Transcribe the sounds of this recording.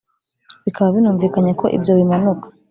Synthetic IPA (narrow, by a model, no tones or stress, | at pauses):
βikʰaβaβinuːɱviːkaɲakʰo̞ʔḭbjowimanokḁ